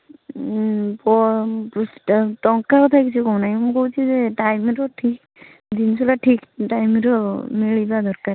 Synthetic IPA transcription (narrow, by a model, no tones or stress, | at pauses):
pɔpstɔŋkakɔt̪ʰakit͡ʃʰikɔwnaɦimukowt͡ʃʰizeʈajmiɾɔʈʰik | d̪insɔlaʈʰikʈajmiɾɔmiɭibad̪ɔɾkaɾ